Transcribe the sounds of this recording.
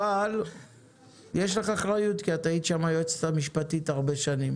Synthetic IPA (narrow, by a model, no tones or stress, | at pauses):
al | jeʃleχaχʁajutkiat̪aid̪ʃamajoet͡st̪amiʃpatitaʁbe̞ʃanim